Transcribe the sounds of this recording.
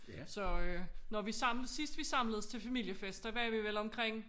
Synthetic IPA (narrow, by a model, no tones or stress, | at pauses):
sɒ̽ønɒʋisɑ̈m̰ləðˠsisd̥ʋisɑ̈m̰ləðˠst͡sʰe̝lfæmil̰jəfesd̥ɐʋæɐʋiʋelɒ̽mkʰʁeŋ̰